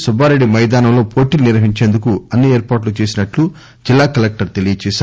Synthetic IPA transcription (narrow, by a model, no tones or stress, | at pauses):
subʱaːɾeɖːimɐjd̪aːnɐmlo̞ːpʰoːʈiːluniɾʋɐɦiɲt͡ʃeːnd̪ukuɐnːieːɾpaːʈlut͡ʃe̞ːsinɐʈlu | d͡ʒilːaːkɐlek̚ʈɐɾt̪e̞lijɐt͡ʃɛːʃa